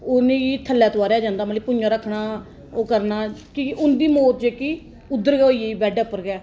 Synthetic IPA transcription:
ʊnẽːiːt̪ʰəlːɛːt̪ʊaːɾɛːd͡ʒãːnd̪aːməliːpʊnd͡ʒãːɾəkʰːnaː | oːkəɾnaːkiʔʊnd̪iːmoːt̪d͡ʒeːkiː | ʊd̪ːəɾɡɛːoːieːbɛːɖɛːʊpːəɾɡɛː

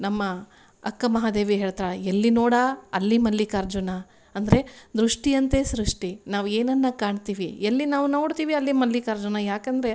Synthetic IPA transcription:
nɐmːɐ | ɐ̰kːɐmɐɦaːd̪e̞ːʋiɦe̞ːɭt̪aːɭeelːinoːɽaːɐlːimɐlːikɐɾd͡ʒuna | ɐnd̪ɐɾe̞d̪ɾuʂʈijɐnt̪e̞sɾuʂʈinaːʋe̞ːnɐnːɐkaːɳt̪iːʋielːinaːʋuno̞ːɽt̪iːʋiɐlːimɐlːikɐɾd͡ʒunɐjaːkɐnd̪ɾe̞

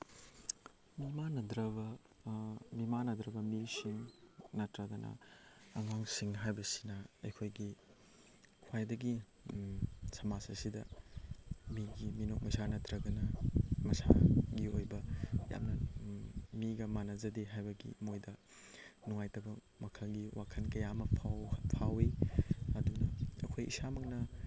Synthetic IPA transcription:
mimanɐdɾɐbɐ | mimanɐd̪ɾɐbɐmisiŋnɐtɾɐɡɐnʔɐ̰ɐŋwaŋsiŋɦajbɐsi̥nɐɐjkʰojɡi | kʰwajdɐɡi | sɐmasɐsidɐ | miɡiminok̚mɐsanɐtɾɐɡɐnɐmɐsa̰ɡiojbɐja̰mnɐ | miɡɐmanɐzɐdeɦajbɐɡḭmojdɐ | nuŋajtɐbɐ | mɐkʰɐlɡiwakʰɐnkɐjamɐpʰapʰawiɐdunɐɐ̰kʰojḭsamɐknɐ

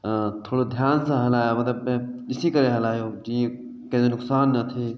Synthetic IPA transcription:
t̪ʰoːɽod̪ʱjaːnsə̃ɦɐlaɦemɐt̪ləbeɪsikəɾeɦəlaɦeod͡ʒĩ | kɛ̃zenʊksaːnːət̪ʰi

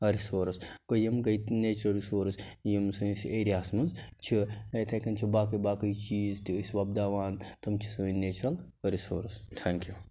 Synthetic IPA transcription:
ɐɾisoːɾskojimɡɐjt̪neːt͡ʃɾɐlɾisoːɾs | jimsuːnsieːɾijaːsmɐnzt͡ʃʰiekʰɐkɐnt͡ʃʰibaːkɐjbaːkɐjt͡ʃiːzt̪isʋɐb̚d̪aːʋaːnt̪ɐmt͡ʃʰi̥suːneːt͡ʃɾɐl | ɐɾisoːɾst̪ʰɛŋkju

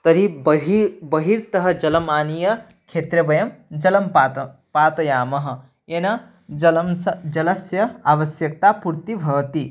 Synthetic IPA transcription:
t̪ɐɾibɦibɐɦiɾt̪ɐɦɐ̆d͡ʒɐlɐmaːnijɐ | kʰet̪ɾɐbɐjɐmd͡ʒɐlɐmpapaːt̪ɐjaːmɐɦə̆ | enɐ | lmsd͡ʒɐlɐsjɐaʋɐsjɐk̚t̪apuɾt̪ibʱɐːt̪i

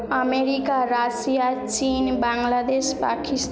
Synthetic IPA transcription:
əmeɾikaɾasijat͡ʃinbaŋɡlad̪espakist̪

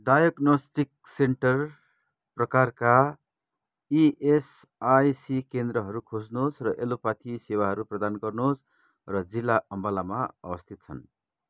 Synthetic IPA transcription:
ɖajʌɡnosʈikseɳʈʌr | prʌkarka | iʔesajsikend̪rʌɦʌɾukʰod͡znosrʌʔelopat̪ʰisewaɦʌɾuprʌd̪anɡʌrnosʰ | rʌd͡zilːaʌmbʌlamaʌ̰bʌst̪ʰit̪̚t͡sʰʌn

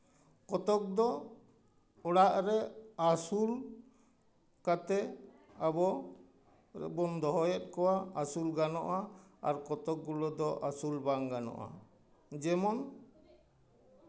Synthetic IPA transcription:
kɔt̪ɔk̚d̪ɔ | ɔɽaʔɾɛasul | kat̪ɛ | abɔ | bɔnd̪ɔɦɔjɔt̪̚ˀkɔwaasulɡanɔʔaaɾkɔt̪ɔk̚ɡulɔd̪ɔʔasulbaŋɡanɔ̰ʔa̰ | d͡ʒɛmɔn

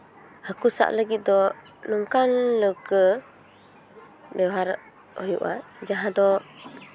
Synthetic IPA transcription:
həkusa̰ʔləɡit̪̚d̪ɔ | nuŋkanləwkə | bɛwɦaɾ | hɔjṵʔad͡ʒaɦãd̪ɔ

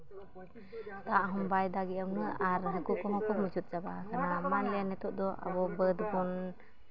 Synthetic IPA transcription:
t̪aʔɦɔmbajd̪aɡiamnɯaɾɦakukɔɦɔkɔməd͡ʒut̪̚d͡ʒabakʰanamanlɛjanɛt̪ɔʔd̪ɔʔa̰bɔbəd̪bɔn

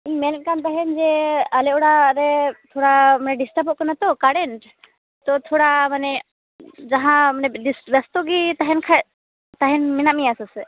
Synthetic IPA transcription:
imɛn̚kant̪̬aɦɛnd͡ʒɛalɛɔɽaɾɛt̪ʰɔɽamanɛɖisʈapɔʔ̚kɔnat̪ɔkaɽɛɳʈ | t̪ɔt̪ʰɔɽamanɛ | d͡ʒaɦãmanɛɖisbast̪uɡit̪aɦɛnkʰa | t̪aɦɛnminamiasɔsɛ

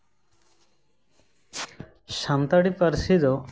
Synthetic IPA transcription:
ʃant̪aɽipaɾsid̪ɔ

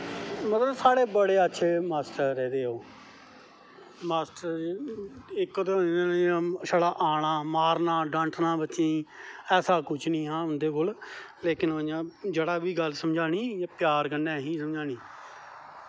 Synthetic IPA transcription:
mət̪ləbsaːɽeːbəɽeːətːʃʰeːmaːsʈəɾːɛːd̪eːoː | maːsʈəɾ | ɪkːt̪eːɦõnːnẽãːʃəɽaːʔaːɽ̃ãːmaːɾnãːɖãːɳʈʰnãːbətːʃẽːɛːsaːkʊt͡ʃʰnĩːɦãːɦʊnd̪eːkolleːkɪnəd͡ʒãːd͡ʒeːɽaːʋiːɡəlsəmd͡ʒaːɽiːjaːpjaːɾkənːɛ̃ːɦĩːsəmd͡ʒaːɽ̃iː

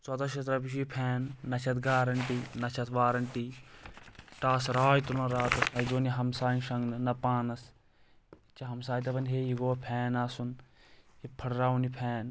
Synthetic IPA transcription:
t͡sɐt̪ɐʃɐt̪ɾɐbiʃipʰɛːnːɐt͡ʃʰɐt̪ɡaːɾɐɳʈinɐt͡ʃʰɐt̪ʰʋaːɾɐɳʈi | ʈaːsɾaːjt̪ulɐ̃nɾaːt̪ɐsnɐid͡ʒoːniɦɐmsaːnʃɐŋɡnɨnɐpaːnɐs | t͡ʃɐɦɐmsaːjt̪̬ɐbɐnɦeːjiɡoːpʰɛːnaːsun | ipʰɐɽɾaːunipʰɛːn

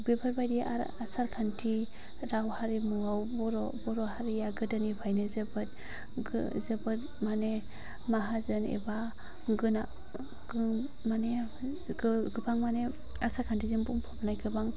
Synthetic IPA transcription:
bibʰaɾbajdiʔa̰ɾasaɾkʰantʰi | ɾawhaɾimuawbɔɾɔbɔɾɔhaɾijaɡɯdanipʰajnɯzɯbɯt̚ | zɯbɯt̚ | mane | maɦazɯnḛba | ɡɯna | ɡɯ | mane | ɡɯɡɯbaŋmane | asaɾkʰantʰizɯŋbuŋpʰɔpnajɡɯbaŋ

